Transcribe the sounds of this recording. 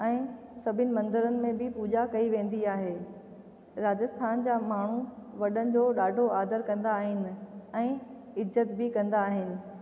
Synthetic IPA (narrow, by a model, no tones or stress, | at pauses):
ɛ̃ːsɐbʱɪnɪ̆mɐ̃nd̪əɾənɪ̆mẽbɪpuːd͡ʑakɐiʋẽːn̆d̪iaːɦeː | ɾaːd͡ʑəst̪ʰaːnd͡ʑaːmaːɳ̤uʋɐɗənɪ̆d͡ʑoːɗaːɖʱoaːd̪əɾkɐ̃nd̪aːɦɪnɪ̆ɛ̃ː | ɪzːət̪bɪkɐ̃nd̪aːɦɪnɪ̆